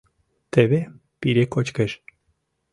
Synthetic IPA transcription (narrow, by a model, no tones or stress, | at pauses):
t̪eβe | piɾekot͡ɕkeʃ